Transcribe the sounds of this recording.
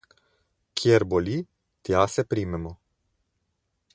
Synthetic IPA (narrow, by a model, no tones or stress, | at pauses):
kʰʲjerboli | t̪jasepɾimemə